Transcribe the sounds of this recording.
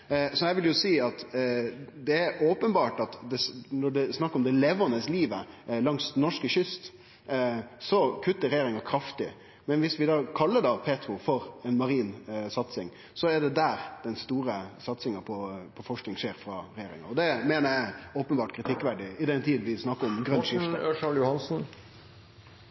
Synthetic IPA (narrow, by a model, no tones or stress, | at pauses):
sɔjæɪʋɪljʊsiːɑt̪ | d̪ɛæɾoːpənbɑːʈɑt̪d̪ɛnɔɖɛsnɑkːɾɔmd̪ɛleʋənəsliːʋəlɑŋst̪nɔʂkəɕʏst̪ | sɔkʰʉt̪ːəɾɛjeːɾɪŋɑkʰɾɑft̪ɪ̰ | mɛnʋɪsʋɪd̪ɑːkʰɑlːəɖɑːpʰeːt̪ɾʊfɔɾɛnmɑɾiːnsɑt̪sɪŋ | sɔæɖɛd̪æːɾd̪̥ɛnst̪uːɾəsɑt̪sɪŋɑpʰɔpʰɔfɔʂknɪŋʂeːɾfɾɑɾɛjeːɾɪ̰ŋɑ̰ɾɔd̪ɛmeːnəjæoːpənbɑːʈkʰɾɪt̪ʰɪkːʋæɖɪɪd̪ɛnt̪ʰiːd̪n̩ʋɪsnɑkːəɾɔmɡɾœnːʃɪft̪ʂɑljʊhɑnsn̩